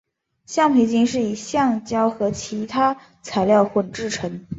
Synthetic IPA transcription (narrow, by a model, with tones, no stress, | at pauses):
ɕjɑ˥˩ŋpʰe˧˥ɪt͡ɕi˥nʂɻ̩˥˩i˨˩ɕjɑ˥˩ŋt͡ɕjɑ˥ʊxɤ˧˥t͡ɕʰi˧˥t̪ʰa˥ | t͡sʰa˧˥ɪljɑ˥˧ʊxwɔ˥˩ʈ͡ʂɻ̩˥˩ʈ͡ʂʰɤ˧˥ŋ